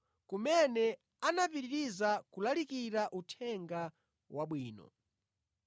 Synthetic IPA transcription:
kumɛnɛ | anapiɾiɾizakulalikiɾaʔutʰɛŋɡa | waɓwiːnɔ̰

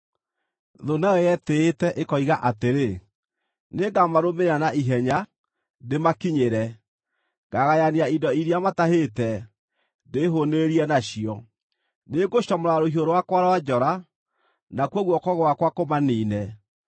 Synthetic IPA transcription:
ðonaɛjɛteːtɛʔekɔiɣaʔateɾe | neɡamaɾomeanaʔiɦɛɲa | demakiɲeɾɛ | ɡaɣajaniaidɔiɾiamataɦetɛ | deɦoneɾiɛnaɕiɔ | neɡoɕɔmoɾaɾoɦioɾowakwaɾawad͡ʒɔɾa | nakwɔɣwɔkɔɣoakwakomaniːnɛ

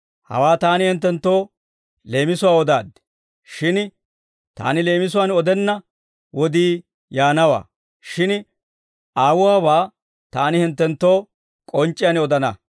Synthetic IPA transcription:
hɐ̰waːt̪aːnɪhɪnt̪̬ːɛnt̪ːo̞ː | le̞ːmɪsʊwaːɔd̪a̰ːd̪ | ʃɪn | t̪a̰ːnɪle̞ːmɪsʊwaːnɔd̪ɛnːɐ | wɔd̪iː | jaːnɐwa̰ː | ʃɪn | aːwʊwaːbaː | t̪aːnɪhɪnt̪ːɛnt̪ːo̞ː | kʼɔnt͡ʃʼːɪjanɔd̪ɐnɐ

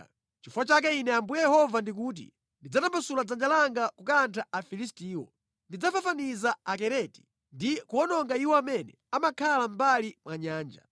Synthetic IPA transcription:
t͡ʃifuwat͡ʃak̬ɛinɛambujɛjɛhɔvandik̬uːt̬ḭ | ndid͡zatambasulad͡zand͡ʒalaŋɡakukantʰaafilis̬tiːwɔ̰ | ndid͡zafafanizaakɛɾɛti̥ | ndikuɔnɔŋɡaiwɔamɛnɛ̰ | amakʰalam̩balimwaɲaːnd͡ʒa̰

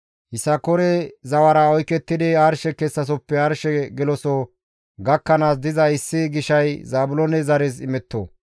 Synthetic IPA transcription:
hɪsɐkɔɾɛzɐwɐɾɐɔjkːɛt̪ːɪd̪ɪaɾʃɛkɛsːɐs̬ɔpːɛaːɾʃɛɡɛlɔso | ɡɐkːɐnaːs̬d̪ɪzɐɪsːɪɡɪʃɐjzaːbʊlonɛzɐɾɛs̬ɪmɛt̪ːo̰ː

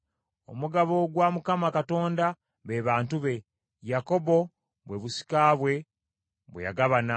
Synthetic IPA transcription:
o̞̰muɡaβo̞ɡwamukamakato̞ːnda | βe̞βaːntuβe̞ | jako̞bo̞ | βwe̞βusi̥kaːβwe̞ | βweja̰ɡaβana

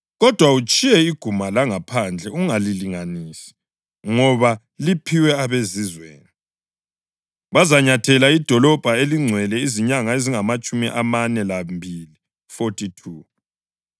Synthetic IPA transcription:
ɣɔd̥ʱwaut͡ʃʼijɛiɡ̥ʱumalaŋapʰand͡ɮʱɛuŋaliliŋaniːsi̥ | ŋɔβa | lipʰiwɛaβezizwḛːni | βazaɲatʰɛlaid̥ʱɔlɔb̥ʱaeliŋ͡ǀʱwɛlɛiziɲaŋaeziŋamat͡ʃʼumḭʔamanɛlambʱili | fotʰʼitʰuː

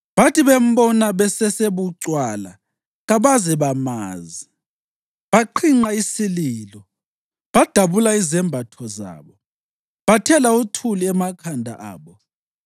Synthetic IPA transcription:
βatʰiβem̩bɔnaβɛsɛseβuǀwala̰ | ɣaβazɛβamaːzi | βaǃʰiŋ͡ǀaisiliːlɔ | βad̥ʱaβulaizɛmbʱatʰɔza̰ːβɔ | βatʰɛlautʰuliɛmakʰandʱa̰ʔa̰ːβɔ

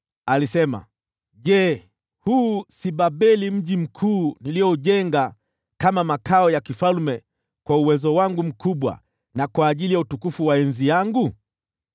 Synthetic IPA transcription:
alisɛma̰ | ʄɛ | huːsiɓaɓɛlim̩ʄim̩kʰuːnilijɔuʄɛŋɡa | kamamakaɔjakifalmɛ | kwauwɛzɔwaŋɡum̩kuɓwa̰ | nakwaːʄilijautukufuwaɛnzijaŋɡu

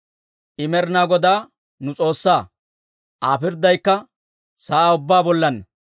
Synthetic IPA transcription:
ʔɪmɛɾnaːɡɔd̪aː | nʊt͡sʼo̞ːsːaː | ʔaːpɪɾd̪ɐjkːɐ | saːʊbːaːbɔlːɐnːɐ

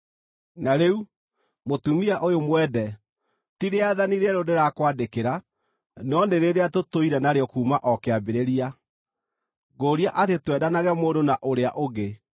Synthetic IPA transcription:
naɾeu | motumiaʔojomwɛdɛ | tiɾeaðaniɾɛɾodeɾakwadekeɾa | nɔneɾeðeatotoiɾɛnaɾeɔkuːmaʔɔkeabeɾeɾia | ɡoːɾiaʔatetwɛdanaɣɛmoːdonaʔoɾeaʔoɣe

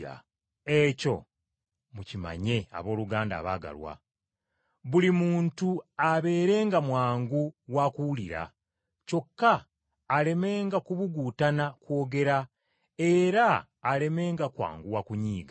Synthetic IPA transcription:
a̰ | e̞co̞̰ | mucima̰ɲe̞a̰βo̞ːluɡaːnda̰ːβaːɡa̰lwa̰ | βulimuːntuaβe̞ːɾe̞ːŋɡamwaːŋɡuwakuwuliɾa̰ | co̞kːaː | le̞me̞ːŋɡakuβuɡuːtanakwo̞ːɡe̞ɾa | e̞ɾaː | le̞me̞ːŋɡakwa̰ːŋɡuwakuɲiːɡa

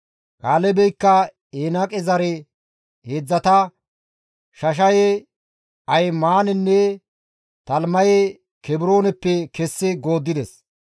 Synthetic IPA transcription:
kʼaːlɛbɛjkːɐ | eːnɐkʼɛzɐɾɛ | heːd͡zːɐt̪ɐ | ʃɐʃ̬ɐje | ɐjmaːnɛnːɛ | t̪ɐlmɐje | kɛbɪɾo̞ːnɛpːɛkɛsːɪɡo̞ːd̪ːɪd̪ɛs

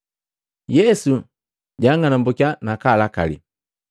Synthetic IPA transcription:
jɛsu | ɟaŋɡanambɔkjanakalaka̰lḭ

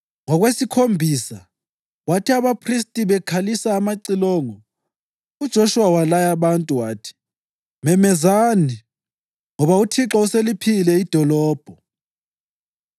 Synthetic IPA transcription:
ŋɔɣwesikʰombʱiːsa | watʰiaβapʰris̬tʼiβɛkʰalisaːmaǀilɔŋɔ | ud̥ʒ̥ʱɔʃuwawalajaβantʼuwaːtʰi̥ | mɛmɛzani | ŋɔβautʰiǁauselipʰilɛid̥ʱɔlɔːb̥ʱɔ

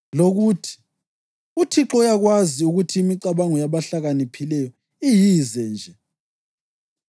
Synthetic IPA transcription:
loɣutʰi̥ | utʰiǁɔjaɣwaziuɣutʰiːmiǃaβaŋɔjaβaɬaɣanipʰilɛjɔ | ijizɛnd͡ʒʱɛ

